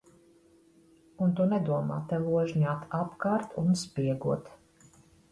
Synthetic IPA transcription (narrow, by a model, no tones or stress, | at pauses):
unt̪unɛd̪uɔma̰ːt̪ɛvuɔʒɲaːt̪ʰapkaːɾt̪ʰunspʲiɛɡuɔt̪